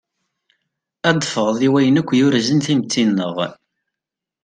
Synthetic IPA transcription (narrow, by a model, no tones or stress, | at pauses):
æd̪fəʁðˤiwæjənækʷːjʊɾzənθimt͡s̪ːinːəʁ